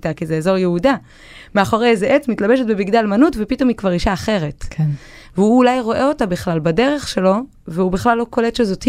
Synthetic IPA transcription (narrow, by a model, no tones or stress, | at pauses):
takizeːzo̞ʁjeuda | meaχoʁejezeʔet͡smitlabeʃetbebiɡdalmanutvepito̞mhikvaʁiʃaːχe̞ʁe̞t | veuːlajʁo̞ʔeo̞tabiχlalbade̞ʁe̞χʃe̞lo̞ | veubiχlalːo̞ko̞letʃezoti